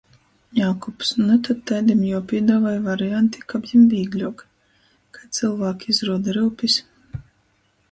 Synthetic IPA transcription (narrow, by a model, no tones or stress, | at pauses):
jawkupsnut̪ad̪̚t̪ɛjd̪imjawpʲiɛd̪aːvajvaɾiant̪i̥kabjimvʲiːɡlʲuɔk | kat̪sɨlˠvaːkʲizɾuɔd̪aɾɨwpʲis